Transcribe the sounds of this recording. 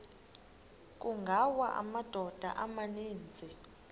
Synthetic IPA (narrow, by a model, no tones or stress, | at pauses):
k̬ʼuŋɡʱawaʔa̰mad̥ʱɔd̥ʱa̰ʔamaniːnd͡zʱi